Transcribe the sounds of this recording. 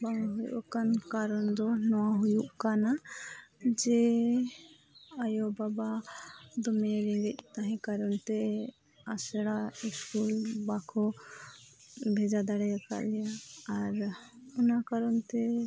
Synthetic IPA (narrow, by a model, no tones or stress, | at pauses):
baŋɦuj̰ʔɔ̰kankaɾɔnd̪ɔnɔwaɦujuʔkana | d͡ʒɛ | ajɔbabad̪ɔmɛɾɛŋɡɛc̪̚ˀt̪aɦɛ̃kaɾɔnt̪ɛ | asɛɽaiskulbakʰɔ | bʱɛd͡ʒad̪aɽɛjaka̰ʔlɛjaːɾɔnakaɾɔnt̪ɛ